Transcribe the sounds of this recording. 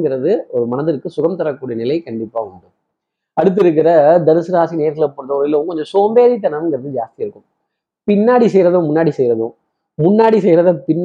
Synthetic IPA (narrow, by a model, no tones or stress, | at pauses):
ɡɪɾɐðɯɔɾɯmɐnɐðɯɾkːɯsʊɣɐmt̪ɐɾɐkːuːɽijɐnɪlɐɪkɐɳɖɪpːaːɐɳɖɯm | ɐɽɯt̪̬ːɪɾɯk̬ːɪɾɐd̪ɐɾɯsɯɾaːsineːɾɣɐlɐpːoːɽɯðɐɪlːɐʊ̃kɔɲd͡ʒɐ̃soːmbeːðit̪̬ːɐnɐmnɡɪɾɐðɯd͡ʒaːst̪ɪjɐɾɯkːɯm | pɪnːaːɽisɛjɾɐðʊ̃mʊnːaːɽisɛjɾɐðʊ̃ | mʊnːaːɽisɛjɾɐðɐpɪnː